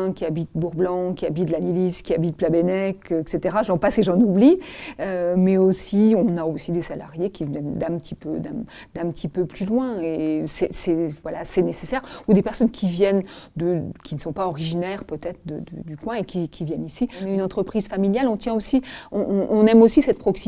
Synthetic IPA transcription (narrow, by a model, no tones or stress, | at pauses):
kʲiabit̪buʁblɑ̃kʲiabit̪d̪laniliskʲiabit̪̚plabenɛkɛkset̪eʁaʒɑ̃paseʒɑ̃nubliømɛosiɔ̃naosid̪esala̰ʁjekʲivjɛnd̪ɛ̃pət̪ʰipød̪ɛ̰̃d̪̥ɛ̃pət̪ʰipøplylwɛ̃esɛsɛvwalasɛnesesɛʁud̪epɛʁsɔnkʲʰivjɛnd̪əkʲinəsɔ̃paɔʁiʒinɛʁpøt̪ɛt̪χəd̪ə̰d̪ə̰d̪ykwɛ̃ekʲikʲʰivjɛnisiɔ̃naynɑ̃t̪χəpχiz̥familjalɔ̃t̪jɛ̃osiɔ̃ʔʔːnɛmosisɛt̪̚pχɔksi